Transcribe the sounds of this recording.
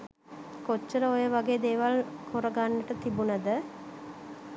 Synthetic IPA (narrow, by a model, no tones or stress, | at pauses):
kot͡ʃːəɾəojəʋaɡeːd̪eːʋalkoɾəɡanːəʈət̪ibunəd̪ə